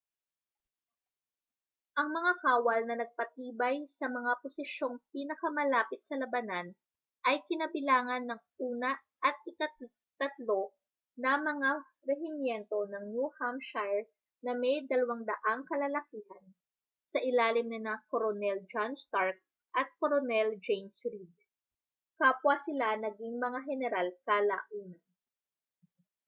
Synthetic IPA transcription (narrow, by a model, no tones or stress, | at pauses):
ʔɐŋmɐŋahaːwɐlnɐnɐɡ̚pɐt̪iːbɐjsɐmɐŋaposɪʃo̞ŋpiːnɐkɐmɐlaːpɪt̪̚sɐlɐbɐnan | ʔɐjkɪnɐbɪlaːŋɐnːɐŋʔuːnɐ | ʔɐt̪̚ɪkɐ | t̪ɐt̪lo̞ | nɐmɐŋa | ɾɛɦɪmjɛnt̪o̞nɐŋnuhamʃajɹ | nɐmɛjd̪ɐlɐwaŋd̪ɐʔaŋkɐlɐlɐkiːhɐn | sɐʔɪlaːlɪmnɐnɐkoɾonɛld͡ʒanst̪aɹk̚ | ʔɐt̪̚koɾonɛld͡ʒejnsɾid̪̚ | kapwasɪlanɐɡiŋmɐŋaɦɛnɛɾalkala̰ːʔuːnɐn